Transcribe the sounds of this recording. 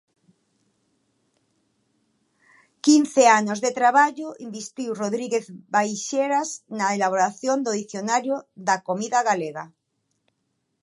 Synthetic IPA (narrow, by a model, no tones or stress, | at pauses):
kinθeanozðet̪ɾaβ̞aʎoimbist̪iwroðɾiɣeθbajʃeɾaznaelaβ̞oɾaθjond̪oðiθjonaɾjoðakomiðaɣaleɣa